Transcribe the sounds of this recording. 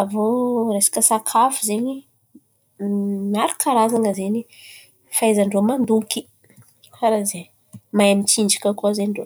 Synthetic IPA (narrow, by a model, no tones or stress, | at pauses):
avoɾesḁkəsakʰafuzeɲi | naɾikʰaɾazaŋəzeɲi | fajzəɳɖ͡ʐomand̪ukʲi̥ | aɾaze | majamit͡sind͡ʒikʲakozeɳɖ͡ʐo